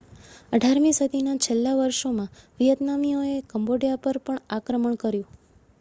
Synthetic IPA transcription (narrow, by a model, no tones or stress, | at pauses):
əɖʱaɾmĩsəd̪ʱinat͡ʃʰelːaʋəɾʃomãʋijət̪namioekəmboɽijapəɾpəɳakɾəməɳkəɾjũ